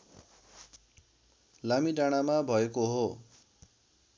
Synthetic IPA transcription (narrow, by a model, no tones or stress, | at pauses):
lamidaɽ̃amabʱʌekoɦo